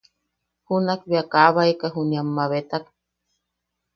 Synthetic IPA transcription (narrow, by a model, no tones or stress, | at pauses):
hunakbiakaβaikaɦuniamːaβet̪ak